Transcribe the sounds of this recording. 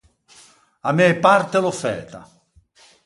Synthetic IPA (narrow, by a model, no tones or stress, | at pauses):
amɛpart̪elofɛ̰ːt̪a̰